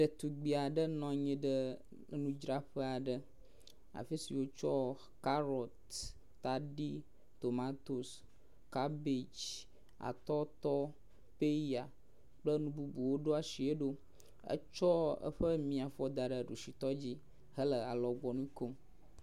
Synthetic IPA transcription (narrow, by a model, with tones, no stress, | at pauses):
ɖə˨t̪u˨ɡ͡bi˨a˨ɖə˦nɔ̃˦ɲɛ̃˦ɖə˦ | nũ˦d͡ʒɾa˦ɸə˦a˨ɖə˨ | a̰˨fi˦si˨wo˦t͡ʃɔ˦ | ka˦ɾɔ˨t̪ː | a˨ɖi˦ | t̪o˨ma˦t̪o˨s | ka˦bi˨d͡ʒ | a̰˨t̪ɔ˦t̪ɔ˦ | pe˦i˦a˨ | k͡plə˦nũ˦bu˦bu˨wo˦ɖo˦a˨si˨e˦ɖo˦ | ə̰˦t͡ʃɔ˦ə̰˦ɸə˦mĩ˨a˨fɔ˦d̪a˨ɖə˦˨ɖu˨si˨t̪ɔ˦d͡ʑi˦ | ɦə˦lə˨a˨lɔ˨ɡ͡bɔ˨nũ˦ko˦m